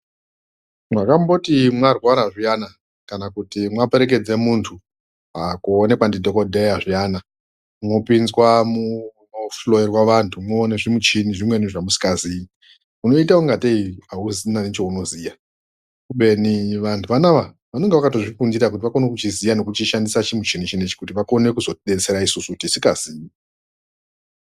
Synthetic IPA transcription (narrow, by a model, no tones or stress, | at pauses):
mwakambo̞timwarwaɾaʐijana | kanakutimwape̞ɾe̞k̬e̞d͡zemuntʰu | akuːne̞kwandidʱo̞kodʱe̞jaʐijana | mno̞pinzwamunoflo̞jerwaʋantʰumwoːneʐimut͡ʃiniʐimwe̞niʐamusi̥kazi | uno̞itauŋɡateiauzinanet͡ʃo̞uno̞zija | kuɓe̞niʋantʰuʋanaʋa | ʋano̞ŋɡeʋakato̞ʐikundiɾak̬utiʋako̞nek̬ut͡ʃizijano̞kut͡ʃiʃandisat͡ʃimut͡ʃinit͡ʃinit͡ʃi̥kutiʋako̞ne̞kuzo̞ɗet͡se̞ɾaisusuutisikaziːi